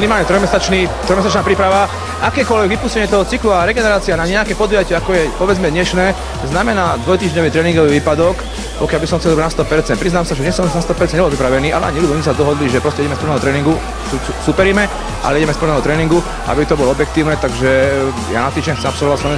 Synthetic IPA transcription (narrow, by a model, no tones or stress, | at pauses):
inimaːlɲɛt̪ɾɔjmɛsat͡ʃnit̪ɾɔjmɛsat͡ʃnaːpɾiːpɾaʋa | ʔakɛːkʊɔlʋɛɡʋipuːscɛɲɪɛt̪ɔɦɔt͡sikluaɾɛɡɛnɛɾaːt͡sianaɲɛakɛːpɔd̪ujacɪɛakɔjɛpɔʋɛd͡zmɛd̪ɲɛʃnɛː | znamɛnaːd̪ʋɔjt̪iːʒɲɔʋit̪ɾɛːnĩŋɡɔʋiːʋiːpad̪ɔk | pɔkɪalbisɔmxt͡sɛlɔianast̪ɔpɛɾtt͡sɛnpɾiznaːmsaʒɛɲɛsɔnast̪ɔpɛɾt͡sɛnɲɛbɔlpɾipɾaʋɛniːa̰lɛa̰ɲilud̪ɔɲɛsad̪ɔɦɔd̪liʒɛpɾɔscɛiɟɛmɛspl̩nɛːɦɔt̪ɾɛːniŋɡu | su | supɛɾimɛ | ʔa̰lɛiɟɛmɛspl̩nɛːɦɔt̪ɾɛːniŋɡu | ʔa̰bit̪ɔbɔlɔɔbjɛk̚t̪iːʊnɛt̪aɡʒɛ | ja̰nat̪iːʒd͡ʒɛɲɛxt͡sɛmapsɔlʋɔʋasaɛ